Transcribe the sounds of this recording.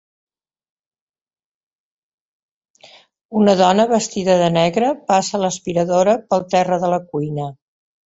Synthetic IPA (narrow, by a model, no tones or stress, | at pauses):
unəðɔnəβəst̪iðəðənɛɣɾəpasələspiɾəðoɾəpəlˠt̪ɛrəðələkujnə